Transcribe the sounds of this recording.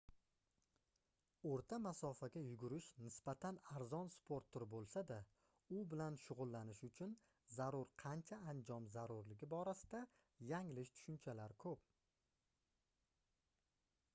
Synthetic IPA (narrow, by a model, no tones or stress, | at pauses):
oɾt̪ʰamasɒfaɡʲajʊɡʲʊɾɪʃnɪsb̥at̪ʰanaɾzɒnspʰoɾt̪ʰːʊɾbolˠsad̪a | ʊbɪlanʃʊʁʊlˠːanɪʃʊt͡ʃʰʊn | zaɾʊɾqʰɑnt͡ʃʰaːnd͡ʒɒmzaɾʊɾlɪɡʲɪbɒɾasɪd̪a | jaŋlɪʃt̪ʰʊ̥ʃʊnt͡ʃʰalaɾkʰɵp̚